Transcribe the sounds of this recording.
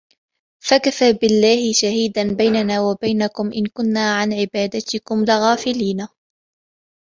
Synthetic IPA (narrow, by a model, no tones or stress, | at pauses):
fakafaːbɪlːaːhɪʃahiːd̪anbajnanaːwabajnakʊmʔɪnkʊnːaːʕanʕɪbaːd̪at̪ɪkʊmlɪɣaːfɪliːnaː